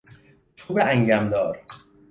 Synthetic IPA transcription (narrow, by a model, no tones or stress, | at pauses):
t͡ʃʰuːbeæŋɟæmd̪ɒːɾ